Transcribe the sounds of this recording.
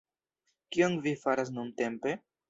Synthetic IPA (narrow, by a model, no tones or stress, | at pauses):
kionvifaɾas̬nunte̞mpe̞